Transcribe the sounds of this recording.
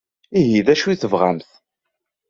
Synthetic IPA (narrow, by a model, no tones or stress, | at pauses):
iɦiðæʃuiθəvʁa̰mθ